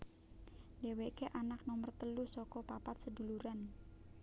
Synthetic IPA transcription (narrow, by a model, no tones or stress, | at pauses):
dewekeʔanak̚nɔmərt̪əlusɔkɔpapat̪̚səduluɾan